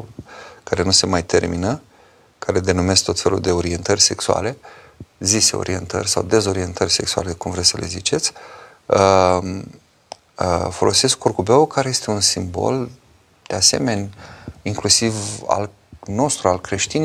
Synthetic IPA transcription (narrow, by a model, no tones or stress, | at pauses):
kaɾe̞nuse̞majt̪e̞rminə | kaɾe̞d̪e̞nume̞sk̚t̪o̞t̪fe̞lṵld̪e̞o̞ɾie̞nt̪ərʲse̞ksua̰le̞ | ziseo̰ɾie̞nt̪ə̰rʲsa̰wd̪e̞zo̞ɾie̞nt̪ərʲse̞ksua̰lekumvɾesəlʔe̞̰zit͡ʃe̞t̪sʲ | ə | fo̞̰lo̞se̞skkʰorkube̞okaɾeje̞st̪e̞unsimbo̞̰l | d̪̥e̞ase̞̰me̞nʲiŋklusiva̰l | no̞st̪ɾualkɾe̞ʃt̪in